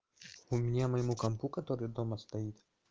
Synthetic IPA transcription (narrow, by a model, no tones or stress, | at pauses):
umnʲɛmɐjmukɐmpukɐt̪ɔɾɪd̪ɔmɐst̪ɐjit̪ʲ